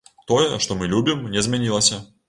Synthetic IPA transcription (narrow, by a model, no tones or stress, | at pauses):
t̪ojɛʂt̪omɨlʲubʲimnʲɛzmʲɛnʲilˠəsʲɐ